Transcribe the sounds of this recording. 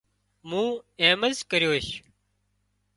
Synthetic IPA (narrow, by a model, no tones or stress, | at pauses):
mũːeːməzkəɾjoːʃ